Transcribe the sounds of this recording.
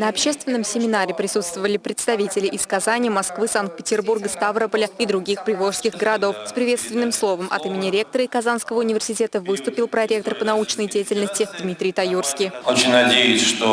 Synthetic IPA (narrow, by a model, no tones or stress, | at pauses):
nəɐpɕːe̞st̪vʲɪnːəmsʲɪmʲɪnaɾʲɪpɾʲɪsut̪st̪vəvəlʲɪpɾʲɪt̪st̪ɐvʲitʲɪlʲɪʔɪskɐzanʲɪjəmɐskvɨsank̚t̪̚pʲɪtʲɪrburɡəst̪avɾəpəlʲəid̪ɾʊɡʲixpɾʲɪvo̞ʂskʲɪɣɡəɾɐd̪o̞fspɾʲɪvʲe̞t̪st̪vʲɪnːɨmslˠo̞vəmʔɐ̰t̪ɨmʲɪnʲɪɾʲe̞k̚t̪əɾəɪkɐzanskəvəʊnʲɪvʲɪrsʲɪtʲe̞t̪əvɨst̪ʊpʲɪlˠpɾɐɾʲe̞k̚t̪ərpənɐut͡ɕnəjdʲejɪtʲɪlʲnəsʲtʲɪd̪mʲit̪ɾʲɪjt̪ɐjurskʲɪjot͡ɕɪnʲnɐdʲejʊsʲʂt̪o